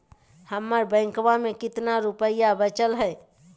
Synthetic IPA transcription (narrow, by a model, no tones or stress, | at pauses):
həmːəɾbə̃ŋkʋãmekɪt̪naɾupəjabət͡ʃəlɦəj